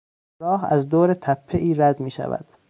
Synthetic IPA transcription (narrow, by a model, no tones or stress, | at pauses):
ɒːɦæ̰zd̪oːɾet̪ʰæpʰːeʔiːɾæd̪miːʃæ̰væ̰d̪̥